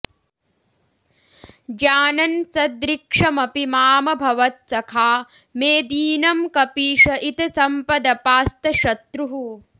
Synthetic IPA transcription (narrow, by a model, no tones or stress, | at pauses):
d͡ʒaːnɐnsɐd̪ɾikʂɐmɐpimaːmɐbʱɐʋɐt̪̚sɐkʰaː | meːd̪iːnɐmkɐpiːʂɐʔit̪ɐsɐmpɐd̪ɐpaːst̪ɐʃɐt̪ɾuɦu